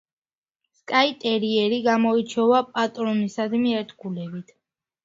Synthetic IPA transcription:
skʼait̪ʼɛɾiɛɾiɡamɔit͡ʃʰɔvapʼat̪ʼɾɔnisad̪miɛɾt̪ʰɡʰulɛbit̪ʰ

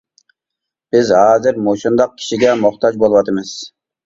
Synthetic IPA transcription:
b̥ɪzɦɑːzɪɾmuʃund̪ɑq̚kʲʰi̥ʃiɡʲɛmoχt̪ʰɑd͡ʒbolˠwɑt̪ɨmɨz̥

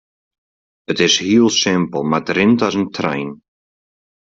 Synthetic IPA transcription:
ɪt̪ɪz̥hiːlˠsɪ̃mpəl̩ˠmat̪ɾɪ̃nt̪azə̃nt̪ʰɾã̰jn

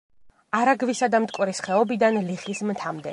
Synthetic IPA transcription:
aɾaɡvisad̪amt̪ʼkʼwɾisχɛɔbid̪anliχismt̪ʰamd̪ɛ

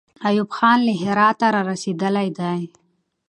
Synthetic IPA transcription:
ajubxɑːnleɦɪɾɑt̪aɾɑɾased̪əlajd̪aj

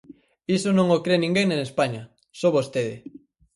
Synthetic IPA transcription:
isonõŋokɾenĩŋɡeŋnenespaɲɐ | soβost̪eðɪ̰

